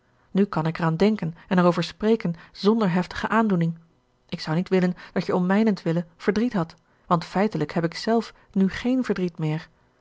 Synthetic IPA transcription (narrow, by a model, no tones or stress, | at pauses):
nykɑnɪkɛʁaːndɛŋkənɛnɛɹowvəɹspreːkənzɔndəɹɦɛftə̥χəʔaːndunɪŋ | ɪksɑwnitʋɪlənd̥ɑtjəɔmmɛjnəntʋɪləv̥əɹdritɦɑt | ʋɑntfɛjtələkɦɛpɪksɛlˠf | nyχejnvəɹdʁitmɪːɹ